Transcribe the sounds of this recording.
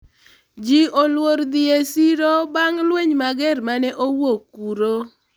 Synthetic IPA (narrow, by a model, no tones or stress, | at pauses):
d͡ʒiolwoɾd̪ɪesiɾobaŋlweɲmaɡɛɾmanɛʔowokːuɾo